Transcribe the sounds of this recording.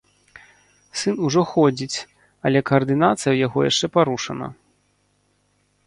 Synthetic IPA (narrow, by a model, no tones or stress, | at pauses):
sɨnuʐɔxɔd͡zʲit͡sʲ | ɐlʲɛkɐɐrd̪ɨnat̪sɨjɐwjaɣɔja̰ʂt͡ʂɛpaɾuʂɐnɐ̰